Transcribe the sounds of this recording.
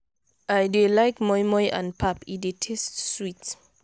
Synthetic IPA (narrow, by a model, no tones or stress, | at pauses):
ajdelajkmɔjmɔjʔã̰npʰapidetʰestswit